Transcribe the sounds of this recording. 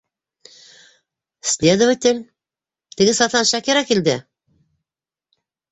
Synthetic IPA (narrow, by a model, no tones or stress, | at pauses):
slʲed̪ŏvət̪ʲɪlʲ | t̪ɘ̆ɡɘsɑt̪ɑnʃækiɾɑkild̪ɘ